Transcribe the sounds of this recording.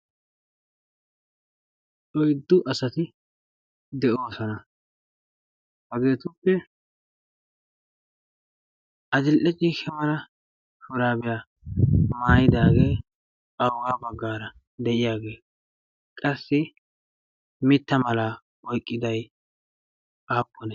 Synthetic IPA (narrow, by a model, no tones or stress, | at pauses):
ᶑɔjd̪ːʊʔɐsɐt̪ɪ | d̪ɛʔoːsɔnɐ | hɐɡe̞ːt̪ʊpːɛ | ʔɐd̪ɪlʔɛt͡ʃʼiːkːɛmɐlɐ | fʊɾaːbɪja | maːjɪd̪aːɡe̞ː | ɐwɡaːbɐɡːaːɾɐ | d̪ɛʔɪjaːɡe̞ː | kʼɐsːɪ | mɪt̪ːɐmɐla | wɔjkʼːɪd̪ɐj | ʔaːpʼːɔnɛ